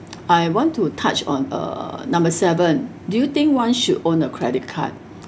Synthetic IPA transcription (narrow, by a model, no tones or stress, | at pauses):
ajwɔ̃ntʰːutʰat͡ʃɔ̰̃nə̰nãmbəsɛvə̃n | dujut̪ĩŋkwãnʃudõnəkʰɹɛdit̚kʰa̰t̚